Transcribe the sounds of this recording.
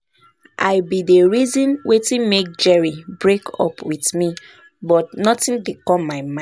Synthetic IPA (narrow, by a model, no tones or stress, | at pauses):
ʔa̰ɪbidəɹizɔ̃nwetĩnmek̚d͡ʒɛɹibɹekɔ̰pʰwiθmi | bɔtnɔtĩndekɔ̃mːaɪmã